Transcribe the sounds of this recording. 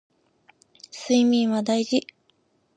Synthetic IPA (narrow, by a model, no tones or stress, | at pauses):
sɨimʲĩɰ̃βad̪aiʑi